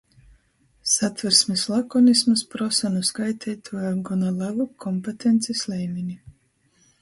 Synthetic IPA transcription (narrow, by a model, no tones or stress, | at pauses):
sat̪vɛɾsmislˠakɔnismɨspɾɔsanuskajt̪ʰɛjt̪ʰuɔjaɡɔnalˠavukʰɔmpet̪ɛnt̪sislɛjminʲi